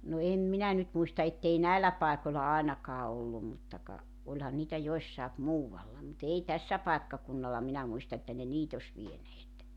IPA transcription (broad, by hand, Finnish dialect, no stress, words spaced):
no em minæ nyt muistɑ etːei næilːæ pɑˑekolʲlɑ ɑˑenɑkɑː olːum mutːɑ kɑ olʲhɑn niːtæ joĭsːɑep muːwɑlːɑ mut ei tæsːæ pɑekːɑkunːɑlːɑ minæ muistɑ etːæ ne niːt osʲ ʋieneːt